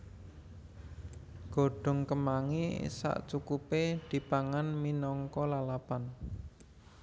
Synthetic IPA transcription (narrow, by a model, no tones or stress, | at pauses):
ɡ̥o̤ɖ̥ɔ̤ŋkəmaŋisa̰ʔt͡ʃukuped̪̥i̤paŋanminɔŋkɔlalapan